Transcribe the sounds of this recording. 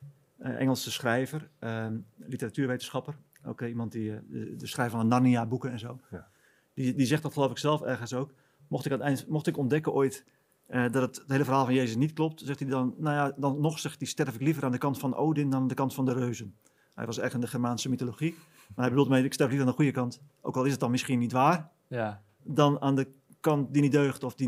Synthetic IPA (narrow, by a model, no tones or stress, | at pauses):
əʔɛ̰ŋəlˠsəsχrɛjvərəlitəratyːʋejtən̩sχɑpər | o̰ːkəimɑnt̚diədəsχrɛjfɔnənarniabukəɛnzoː | didizɛxtdɔtχəloːfɪksɛlˠfɛrɣənsoːk | mɔxtɪkatɛjntmɔxtɪkɔndɛkənoːjt | ədɔtəttheːləfərɦaːlˠfɑnjeːzəsnitklɔp̚tsɛxtidɔnːowjadɔnnɔxsɛxtdistɛrfɪklivəraːndəkɑntfɔno̰ːdɪndɔndəkɑntfɔndərøːzən | hɛ̰jʋɔsɛrndəχɛrmaːnsəmitoloχi | maɦɛjbədulˠmɛjɪkstɛrflivəaːndəxujəkɑnt | o̰ːkɔlˠɪsət̚ɔnmɪsχiənitʋaːr | dɔnaːndə | kɑntdinitdøːχtɔfdi